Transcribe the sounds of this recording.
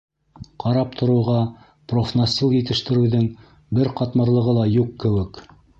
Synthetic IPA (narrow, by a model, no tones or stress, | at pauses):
qɑɾɑp̚t̪ʰŏɾɤ̆wʁɑ | profnosʲilˠjɘ̆t̪ɘ̆ʃt̪ɘ̆ɾɘwðɘŋ | bɘɾqɑt̪mɤ̆ɾlˠɤ̆ʁɤlˠɑjuqːɘ̆wɘk